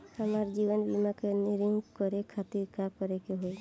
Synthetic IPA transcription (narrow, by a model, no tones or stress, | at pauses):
həmaɾd͡ʒibənbimakeniɾiŋɡkɔɾekʰat̪iɾkakɔɾekeɦoe